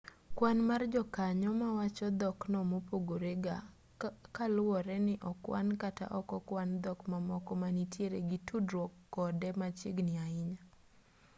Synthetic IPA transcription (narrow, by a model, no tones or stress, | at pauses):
kwanmard͡ʒɔkaɲɔmawat͡ʃɔd̪ɔknɔmopoɡoɾeɡa | kalwɔɾɛnɪʔɔkwa̰nkata̰ʔɔkɔkwand̪ɔkmamɔkɔmanitjeɾeɡitʰudɾɔkːɔdɛmat͡ʃɪ̰ɡnɪaɪɲa